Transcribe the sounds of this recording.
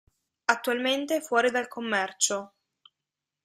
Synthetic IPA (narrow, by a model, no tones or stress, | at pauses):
at̪ːualment̪efwɔːɾid̪alkʰomːɛrt͡ʃo